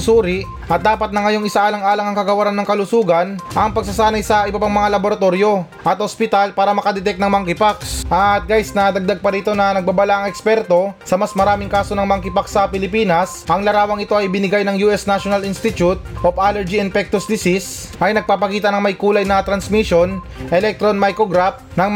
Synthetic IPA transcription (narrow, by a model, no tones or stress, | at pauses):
suːɾɪʔ | ʔɐt̪̚d̪aːpɐt̪nɐŋɐjo̞ŋɪsaʔaːlɐŋaːlɐŋɐŋkɐɡɐwɐɾanːɐŋkɐlʊsuːɡɐnʔɐŋpɐɡ̚sɐsaːnɐjsɐʔɪbɐpaŋmɐŋalɐboɾɐt̪o̞ɾjo̞ | ʔɐt̪ospɪt̪alpaːɾɐmɐkɐd̪ɛt̪ɛk̪̚nɐŋmɐŋkɪpaksʔɐt̪̚ɡajsnɐd̪ɐɡ̚d̪aɡ̚pɐɾiːt̪o̞nɐnɐɡ̚babɐlaʔɐŋɛkspɛɾt̪o̞sɐmɐsmɐɾaːmɪŋkaːsonɐŋmɐŋkɪpaksɐpɪlɪpiːnɐsʔɐŋlɐɾaːwɐŋɪt̪o̞ʔɐjbɪnɪɡajnɐŋjuːʔɛsnaʃonɐlɪnst̪ɪt̪jut̪̚ʔopalɛɾd͡ʒiɪnpɛk̚t̪ʊsd̪ɪsis | ʔɐjnɐɡ̚papɐkiːt̪ɐnɐŋmɐjkuːlɐjnɐt̪ɾɐnsmiʃo̞n | ʔɛlɛk̚t̪ɾonmajkoɡɾaf | nɐŋ